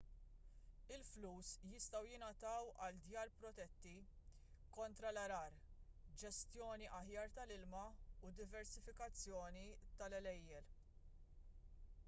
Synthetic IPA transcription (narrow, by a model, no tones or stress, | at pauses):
ɪlfluːsjɪst̪ɐwjɪnɐt̪ɐwɐld̪jɐːɾpɾɔt̪ɛt̪ːi | kɔnt̪ɾɐlɐɾɐːɾd͡ʒɛst̪jɔːniʔɐħjɐːɾt̪ɐlɪlmɐud̪ɪvɛɾsɪfɪkɐt͡sːjɔːnit̪ɐlɛlɛjːɛl